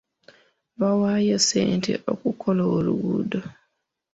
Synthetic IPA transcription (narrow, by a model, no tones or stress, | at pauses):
βawajosḛːntʰḛʔo̰kukʰoloːluɡudo